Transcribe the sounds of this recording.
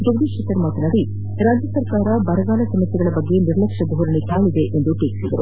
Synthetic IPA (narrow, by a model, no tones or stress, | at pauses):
d͡ʒɐɡd̪iʃɐt̪ɐɾmaːt̪ɐnaːɾi | ɾaːd͡ʒjɐsɐɾkaːɾɐbɐɾɐɡaːlɐsɐmɐsjɛɡɐɭɐbɐɡːe̞niɾlɐkʂɐbɐɦuɾɐnik̪aːɭid̪eʔend̪uʈeːki̥sid̪ɐɾṵ